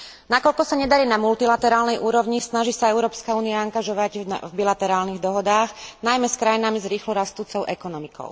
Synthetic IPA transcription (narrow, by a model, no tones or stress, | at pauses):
nakɔʎkɔsaɲɛd̪aɾiːnamult̪ilat̪ɛɾaːlnɛjʔuːɾɔʋɲisnaʒiːsaɛʊɾɔːpskauːniaaŋɡaʒɔʋaɟ̪̰vbilat̪ɛɾaːlniɣd̪ɔɦɔd̪aːɣnajmɛskɾajinamizɾiːxlɔɾast̪uːt͡sɔʊʔɛkɔnɔmikɔ̰ʊ